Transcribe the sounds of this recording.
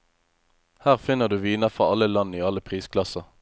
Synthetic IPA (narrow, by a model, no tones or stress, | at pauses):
hæːʁfɪnəʁd̪ʉːʋiːnəʁfʁɑːɑləlɑniːɑləpʰʁiːskʰlɑsəʁ